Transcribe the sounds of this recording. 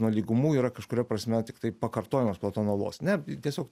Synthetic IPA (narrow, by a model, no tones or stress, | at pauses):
nuɔlʲiːɡʊmuːiːɾɐkɐʃkʊɾʲɛpɾɐsʲmʲɛt̪ʲɪkt̪ɐɪpɐkɐrt̪oːjɪmɐsplˠɐt̪oːnoːlˠo̰ːsnʲɛt̪ʲiɛsʲoːk